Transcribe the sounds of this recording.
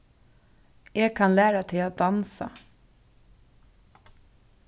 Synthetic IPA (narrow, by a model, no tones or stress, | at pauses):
ʔeːɡ̚kʰɑnlæːɾɑt̪ʰɪɑd̪ɑnsɑ̰